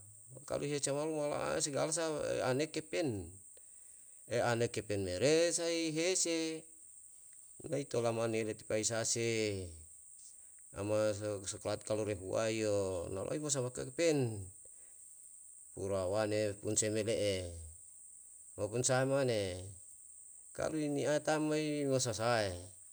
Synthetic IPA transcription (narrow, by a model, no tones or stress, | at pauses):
ka̰lʔuɦet͡ʃamalumala̰ʔs̬eɡalas̬aḛanekːepɛn | eanekːepɛnmeɾesaiɦese | nait̪olamanelet̪i̥paisase | a̰masoklat̪̚kaluɾeɦṵa̰iona̰lʔo̰ibos̬amakakepen | puɾawanepunsemeleʔe | mapunsaemane | ka̰luiniaet̪amaimosasae